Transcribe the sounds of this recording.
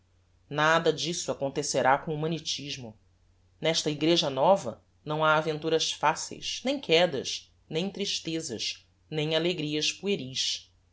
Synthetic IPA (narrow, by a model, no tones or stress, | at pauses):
nad̪ɐd͡ʒisʊakõnt̪eseɾakõumɐ̃net͡ʃiʒmʊ | nɛʃt̪ɐiɡɾeʒɐnɔvɐ̰ | nɐ̃w̃aːvẽnt̪uɾɐʃfasḛjʃnẽj̃kʰɛd̪ɐ̰ʃ | nẽj̃t̪ɾiʃt̪ezɐ̰ʃ | nẽj̃aleɡɾiɐʃpueɾiʃ